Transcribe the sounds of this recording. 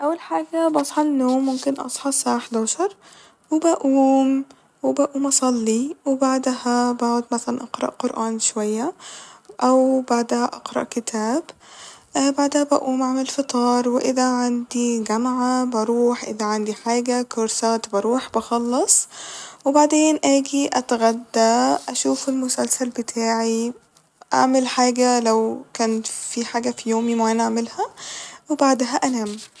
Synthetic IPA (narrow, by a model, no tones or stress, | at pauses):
ʔæwːælħaːɡæbɑsˤħɑnːoːmːʊmkɪnʔɑ̰sˤħɑsˤaʕħd̪aʃɑɾˤ | webæʔuːm | webæʔuːmʔɑsˤɑlːiwebaʕd̪hæbaʕod̪mæθælænʔɑqɾˤɑ̰ʔqoɾʔæːnʃowæjːæʔæwbaʕd̪hæʔɑqɾˤɑ̰ʔkɪt̪ʰæːbʔbaʕd̪æhæbæ̰ʔuːmʕamelfet̪ˤɑːɾˤweʔɪðæʕand̪iɡæmʕabɑɾˤuːħʔɪðæʕand̪iħaːɡækoɾsæːt̪bɑɾuːħbɑxɑlːɑsˤwɪbaʕd̪eːnʔæːɡiʔæt̪ɣæd̪ːæʔæʃuːfelmʊsælsælbɪt̪ʰaːʕi | ʔa̰ʕmɪlħaːɡælæwkæːnfiħaːɡæfijoːmimʕanʔaʕmɪlhæwebaʕd̪ɦæʔænæːm